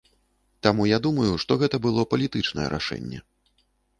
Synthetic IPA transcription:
t̪amujad̪umɐjuʂt̪ɔɣɛt̪ɐbɨlˠɔpɐlʲit̪ɨt͡ʂnɐ̰jɛ̰ɾʔa̰ʂɛ̰nʲːɛ̰

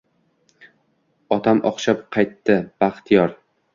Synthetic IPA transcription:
ɒt̪ʰamʔɒ̰χʃap̚qʰɑjt̪ːɪb̥aχt̪ʰijɒɾ

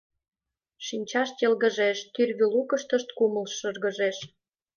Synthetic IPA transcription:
ʃinʲt͡ɕɑʃt̪jelɣə̆ʒeʃt̪yrɣølukəʃt̪ə̆ʃt̪̚kumə̆lʃə̆rɣə̆ʒeʃ

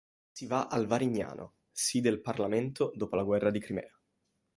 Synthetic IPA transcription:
sivaʔalvaɾiɲːa̰ːnʔo̰ | sid̪elparlament̪od̪oːpolaɡwɛrːad̪ikɾimɛ̰ːa

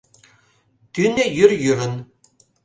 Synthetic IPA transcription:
t̪ynʲɘjyrjyɾɘ̆n

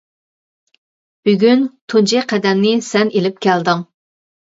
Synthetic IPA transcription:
b̥yɡʲynt̪ʰunt͡ʃiqʰɛd̪ɛmnɪsɛnelɪp̚kʲʰæld̪ɨŋ

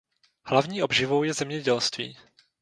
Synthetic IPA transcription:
hlavɲiːʔobʒɪvo̞wjɛzɛmɲɛɟɛlst̪vḭː

